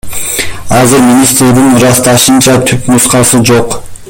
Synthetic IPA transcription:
ɑzɯɾmʲinʲist̪ɾed̪inɾɑst̪ɑʃɯnt͡ʃɑt̪ʰypmusqɑsɯd͡ʒo̞q

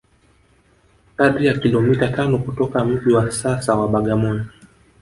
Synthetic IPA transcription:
kaɗijakilɔmitatanɔkutɔkam̩ʄiwasasawaɓaɠamɔnɔ

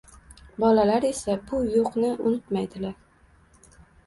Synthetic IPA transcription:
bɒlalaɾe̞sabʊjoqnɪʔʊnɪt̪majd̪ɪlaɾ

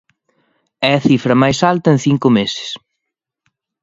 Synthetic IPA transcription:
ɛɐθifɾɐmajsalt̪ɐenθiŋkʊmesɪ̥s

